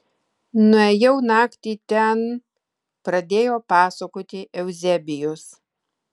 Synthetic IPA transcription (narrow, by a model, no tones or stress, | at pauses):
nʊɛjɛʊnɑːkt̪ʲiːt̪ʲɛn | pɾɐd̪ʲeːjoːpɑːsɐkoːt̪ʲɪʔɛʊzʲɛbʲɪjʊs